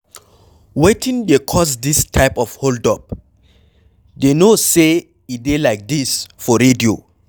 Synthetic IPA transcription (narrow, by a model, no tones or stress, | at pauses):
wetʰĩndekʰɔsdistʰaɪpɔfholdɔp̚ | denose | idelaɪk̚disfɔɹedio